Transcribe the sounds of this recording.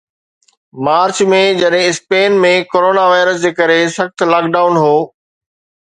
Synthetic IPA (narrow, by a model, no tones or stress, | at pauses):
maːɾt͡ɕmẽd͡ʑɐɗɦɪ̃ɪspeːnmẽkoːɾoːnaʋaːɪɾəs̬d͡ʑeːkɐɾesɐxt̪laːk̚ɖaːʊnɦoː